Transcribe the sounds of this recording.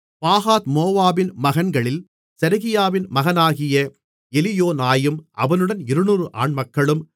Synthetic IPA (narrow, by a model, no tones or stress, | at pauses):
paːɣaːt̪moːʋaːbɪnmɐɣɐnɡɐɭɪl | sɛɾɐɣɪjaːʋɪnmɐɣɐnaːɣɪjɐ | ɛlɪjoːnaːjɯmʔɐ̰ʋɐnɯɽɐnɪɾɯnuːrɯʔa̰ːɳmɐkːɐɭɯm